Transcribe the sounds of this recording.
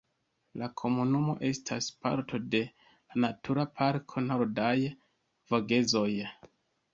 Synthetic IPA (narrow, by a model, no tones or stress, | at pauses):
lakʰo̞munumo̞̰ʔe̞stʰaspa̰ɾtʰo̞de̞ | lanatʰuɾapʰaɾkʰo̞noɾdaj | voɡe̞zo̞j